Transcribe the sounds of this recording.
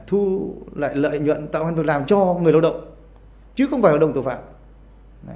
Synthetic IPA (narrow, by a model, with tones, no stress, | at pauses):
t̪ʰu˧la̰ː˧˨jlə̰ː˧˨jɲwə̰˧˨nt̪a̰ː˧˨wha˧nvɨ˨˩klaː˨˩mt͡ɕɔ˧ŋɨ˨˩əjla˧wɗə̰˧˨wŋ͡m | t͡ɕɨ˨˦xə˧wŋ͡mfaː˧˩laː˧˩wɗə˧˨t̪o˨˩faː˧˩p̚